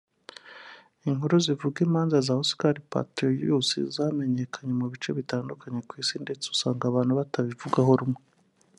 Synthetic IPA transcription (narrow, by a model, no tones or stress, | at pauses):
iŋhuɾuzivuɡiːmaːnzazahosi̥kaɾipa̰tojosḭzaːme̞ɲe̞kʰaɲe̞muβit͡ʃe̞βitaːndukaɲe̞kwiːsinde̞t͡seusaːŋɡaβaːnhuβatʰaβivuɡaɦo̞ɾumŋe